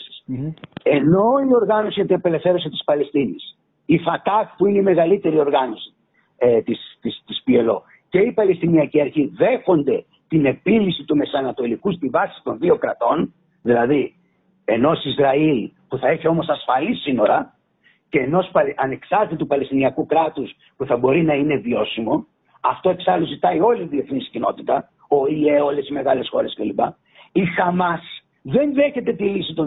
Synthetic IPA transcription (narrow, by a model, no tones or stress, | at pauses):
si̥s | e̞no̞io̞ɾɣɐno̞sijɐt̪inɐpe̞le̞fθe̞ɾo̞s̬it̪i̥spɐlest̪inḭs | ifɐt̪ɐkpuineime̞ɣɐlit̪e̞ɾio̞ɾɣɐno̞si̥ | t̪ist̪ist̪ispie̞lo̞̰ | ce̞ipɐlest̪iniɐciɐɾçiðe̞xo̞nd̪e̞ | t̪ine̞pilisit̪ume̞sɐnɐt̪o̞likust̪ivɐsi̥t̪o̞nðio̞kɾɐt̪o̞n | ðilɐði | e̞no̞sizɾɐilpuθɐe̞çio̞mo̞sɐsfɐlisino̞ɾɐ | ce̞ːno̞spɐʔɐne̞ksɐɾt̪it̪upɐle̞st̪iniɐkukɾɐt̪us | puθɐbo̞ɾinɐine̞vio̞simo̞ | ɐft̪o̞e̞ksɐluzit̪ɐio̞liːðie̞θniscino̞̰t̪it̪ɐ | o̞ie̞o̞le̞sime̞ɣɐle̞sxo̞ɾe̞scelipɐ̰ | ixɐmɐs | ðe̞nðe̞çe̞t̪e̞t̪ilisit̪o̞